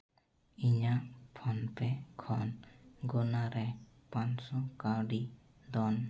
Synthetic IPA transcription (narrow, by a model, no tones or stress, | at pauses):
iɲapʰɔnpɛkʰɔnɡɔnaɾɛ | pansɔkaɾɖi | d̪ɔn